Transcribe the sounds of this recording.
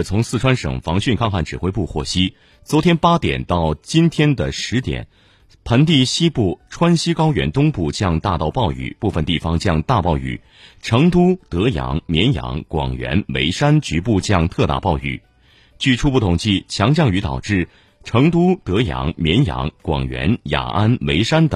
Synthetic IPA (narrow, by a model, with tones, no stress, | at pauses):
t͡sʰʊ˧˥ŋsɹ̩˥˩ʈ͡ʂʰwa˥nʂɤ̰˨˩ŋfɑ˧˥ŋɕy˥˩nkʰɑ˥˧ŋxa˥˩nʈ͡ʂɻ̩˨˩xwe˥ɪpu˥˧xwɔ˥˩ɕi˥ | t͡swɔ˧˥t̪ʰjɛ˥npa˥t̪jɛ̰˨˩nt̪ɑ˥˩ʊt͡ɕi˥nt̪ʰjɛ˥nd̪ə˨ʂɻ̩˧˥t̪jɛ̰˨˩˦n | pʰə˧˥nt̪̬i˥˧ɕi˥pu˥˩ʈ͡ʂʰwa˥nɕi˥kɑ˥ʊɥɛ̰˧˥nt̪ʊ˥ŋpu˥˩t͡ɕjɑ˥˧ŋt̪a˥˧t̪ɑ˥˧ʊpɑ˥˩ʊy̰˨˩pu˥˩fə˨nt̪i˥˩fɑ˧˥ŋt͡ɕjɑ˥˧ŋt̪a˥˧pɑ˥˩ʊy̰˨˩˦ | ʈ͡ʂʰɤ˧˥ŋt̪u˥t̪ɤ˧˥jɑ̰˧˥ŋmjɛ˧˥njɑ̰˧˥ŋkwɑ̰˨˩ŋɥɛ̰˧˥nwḛ˧˥ɪʂa˥nt͡ɕy˧˥pu˥˧t͡ɕjɑ˥˧ŋt̪ʰɤ˥˧t̪a̰˥˧˩pɑ˥˩ʊy̰˨˩˦ | t͡ɕy˥˩ʈ͡ʂʰu˥pu˥˩t̪ʰʊ˨˩ŋt͡ɕi˥˩t͡ɕʰjɑ˧˥ŋt͡ɕjɑ˥˩ŋy˧˥t̪ɑ̰˨˩ʊʈ͡ʂɻ̩˥˩ | ʈ͡ʂʰɤ˧˥ŋt̪u˥t̪ɤ˧˥jɑ̰˧˥ŋmjɛ˧˥njɑ̰˧˥ŋkwɑ̰˨˩ŋɥɛ̰˧˥nja̰˨˩ʔa˥nwe˧˥ɪʂa˥nt̪ə˨˩˦ŋ